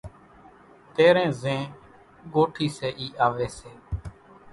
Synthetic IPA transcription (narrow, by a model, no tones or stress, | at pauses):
t̪eːɾẽːzẽː | ɡoːʈʰiːseːʔiːʔaːʋeːseː